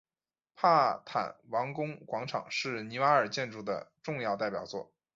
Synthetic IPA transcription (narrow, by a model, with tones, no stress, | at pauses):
pʰa˥˩t̪ʰa̰˨˩˦nwɑ˧˥ŋkʊ˥ŋkwɑ˧˥ŋʈ͡ʂʰɑ̰˨˩˦ŋʂɻ̩˥˩ni˧˥wa˥ə˞˨˩t͡ɕjɛ˥˧nʈ͡ʂu˥˩d̪ə̰˩ʈ͡ʂʊ˥˧ŋjɑ˥˧ʊt̪a˥˩ɪpjɑ˨˩ʊt͡swɔ̰˥˩